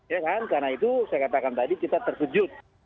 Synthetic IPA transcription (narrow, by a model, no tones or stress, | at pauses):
jakankarnait̪usajakat̪akant̪adikit̪at̪ərsəd͡ʒʊt̪̚